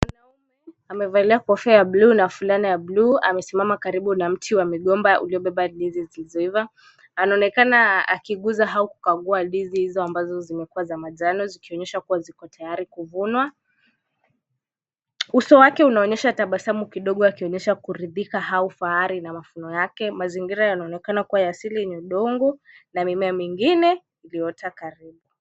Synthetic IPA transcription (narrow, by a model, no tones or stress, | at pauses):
wanaumɛ | amɛvaliakɔfɛjaɓluːnafulanijabluːa̰mɛsimamakaɾiɓunam̩tʰiwamiɠɔmbaʔṵliɔɓɛɓaɗizizilizɔivaː | naɔnɛkanaa̰kiɠuzaɦauku̥kaɠuaɗizihizɔambazɔzimɛkuazamaʄanɔzikiɔɲɛʃakuwazikɔtʰajaɾikuvunwa | usɔwakɛunaɔɲɛʃataɓasamukiɗɔɠɔakiɔɲɛʃakuɾiðikahaufaaɾinamafunɔjakɛmaziŋɡiɾajanaɔnɛkanakuwajasiliɛɲɛuɗɔŋɡu | namimɛamiŋɡinɛ | ilijɔtʰakaɾiɓu